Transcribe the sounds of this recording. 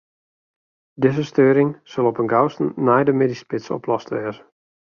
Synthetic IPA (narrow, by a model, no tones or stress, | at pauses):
dɪzəstøːɾɪŋsølˠɔpənɡawstənɛjdəmedispɪtsɔ̰plɔstʋɛːzə